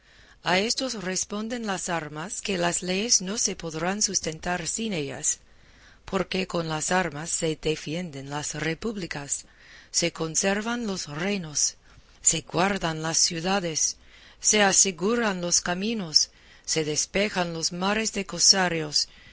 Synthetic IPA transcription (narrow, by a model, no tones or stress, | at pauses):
aest̪osrespo̞nd̪enlasaɾmaskelasle̞jesno̞se̞poðɾansust̪ent̪aɾsine̞ʎa̰s | pʰo̞ɾkeko̞nlasaɾmasːe̞d̪efje̞nd̪enlasrepuβlikasː | e̞ko̞nseɾβanlo̞srejno̞sː | e̞ɡwaɾðanlasːjuðaðesː | easeɣuɾanlo̞skaminosː | e̞ðespe̞xanlo̞smaɾesðekosaɾjos